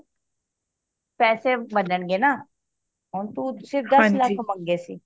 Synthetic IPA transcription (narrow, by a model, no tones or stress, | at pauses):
pɛːsebənəɳɡeːnaː | ɦoːnt̪usɪɾfd̪ə̃slakʰməŋɡeːsḭː